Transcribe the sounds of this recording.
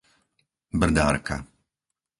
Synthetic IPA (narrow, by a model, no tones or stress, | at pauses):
br̩d̪a̰ːɾka̰